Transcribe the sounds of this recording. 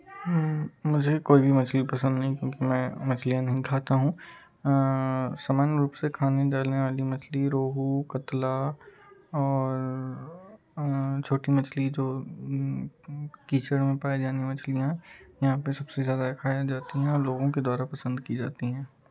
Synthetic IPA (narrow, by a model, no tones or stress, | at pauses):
mʊd͡ʒʱekoːibʱimɐt͡ʃʰlipɐsə̃nd̪nɐɦĩkjõːkimɛ̃ːmɐt͡ʃʰlijãnɐɦĩkʰaːt̪aɦũ | saːmaːnɾuːpsekʰaːneɖaːlneʋaːlimɐt͡ʃʰliɾoːɦukɐt̪la | ɔːɾ | t͡ʃʰoːʈimɐt͡ʃʰlid͡ʒoː | kiːt͡ʃəɽmẽpaːid͡ʒaːnimɐt͡ʃʰlijãɦjɐɦãpesɐbsezjaːd̪akʰaːjad͡ʒaːt̪iɦɛ̃ɔːɾloːɡõked̪waːɾapɐsə̃nd̪kid͡ʒa̰ːt̪iɦɛ̃ː